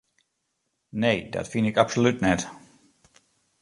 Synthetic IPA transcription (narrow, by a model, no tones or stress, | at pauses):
nejdɔ̰tfɪndɪkapsolʉtnɛt